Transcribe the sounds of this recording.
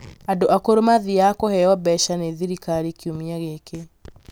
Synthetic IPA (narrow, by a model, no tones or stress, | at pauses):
adoʔakoɾomaðiakɔhɛɔbɛʃaneðiɾikaɾikiomiaɣeke